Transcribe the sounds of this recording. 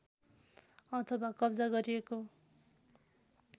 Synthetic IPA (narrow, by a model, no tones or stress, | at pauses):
ʌt̪ʰʌwakʌbd͡zaɡʌɾijeko